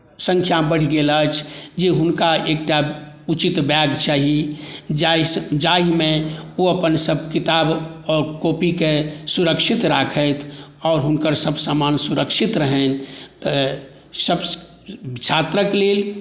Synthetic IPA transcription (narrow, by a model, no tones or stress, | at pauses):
sə̃ŋkʰjabəɽ̤ɡeːlat͡ʃʰd͡ʒeɦʊnkaeːk̚ʈa | ut͡ʃit̪bjaːɡt͡ʃaːɦid͡ʒad͡ʒaːɦimẽoəpənsəb̚ʱkɪt̪aːbɔːɾkoːpikesuɾəkʃɪt̪ɾaːkʰət̪ʰɔːɾɦʊnkəɾsəbsaːmaːnsʊɾəkʃɪt̪ɾəɦɛn | səb | t͡ʃʰaːt̪ɾəkleːl